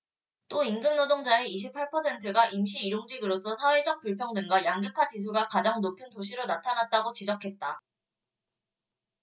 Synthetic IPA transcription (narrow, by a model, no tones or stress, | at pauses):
t͈oinɡɯnnodoŋd͡ʑaeiɕ̬ʰipʰaɭpʰʌsʰe̞ntʰɯɡaʔimɕʰiːɾoŋd͡ʑiɡɯɾos͈ʰʌsʰawe̞d͡ʑʌk̚p͈uɭpʰjʌŋdɯŋɡwajaŋɡjɯkʰat͡ɕis̬ʰuɡakad͡ʑaŋnopʰjuntoɕ̬ʰiɾonatʰanat̚t͈aɡot͡ɕid͡ʑʌkʰe̞t̚t͈a